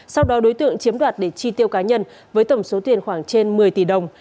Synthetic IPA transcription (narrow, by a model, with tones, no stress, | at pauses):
sa˧wɗɔ˨˦ɗo˨˦jt̪ɨ̰˧˨əŋt͡ɕi˨˦əmɗwaː˨˩t̚ɗe˧˩t͡ɕi˧t̪i˧əwkaː˨˦ɲə˧n | vəː˨˦jt̪ə˧˩ŋ͡mso˨˦t̪wi˨˩ənxwaː˧˩ŋt͡ɕe˧nmɨ˨˩əjt̪i˧˩ɗə˨˩wŋ͡m